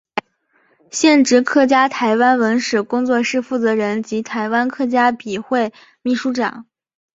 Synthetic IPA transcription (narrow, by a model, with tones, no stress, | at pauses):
ɕjɛ˥˩nʈ͡ʂɻ̩˧˥kʰɤ˥˩t͡ɕja˥t̪ʰa˧˥ɪwa˥nwə˧˥nʂɻ̩˨˩kʊ˥ŋt͡swɔ˥˧ʂɻ̩˥˧fu˥˩t͡sɤ˧˥ɻə˧˥nt͡ɕi˧˥t̪ʰa˧˥ɪwa˥nkʰɤ˥˩t͡ɕja˥pi˨˩xwe˥˩ɪ | mi˥˩ʂu˧˥ʈ͡ʂɑ̰˨˩˦ŋ